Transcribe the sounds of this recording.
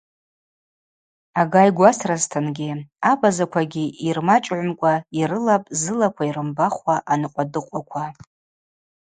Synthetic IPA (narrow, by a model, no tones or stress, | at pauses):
aɡajɡʷasraztʰanɡʲiabazakʷʰaɡʲiirmat͡ʃʼʕʷmkʷʼaiɾɨlapʼzɨlakʷʰaiɾɨmbaχʷaʔanɨqʷʼadɨqʷʼakʷʰa